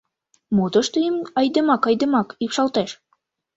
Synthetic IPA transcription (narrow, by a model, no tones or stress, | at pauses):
mod̪ɤ̆ʃt̪ə̆jəmɑjd̪ɤ̆mɑkɑjd̪ɤ̆mɑkikʃɑlˠt̪ɑʃ